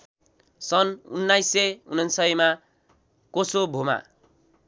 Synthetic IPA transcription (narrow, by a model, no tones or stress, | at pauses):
sʌnṵnːajseunʌnsʌjma | kosobʱoma̰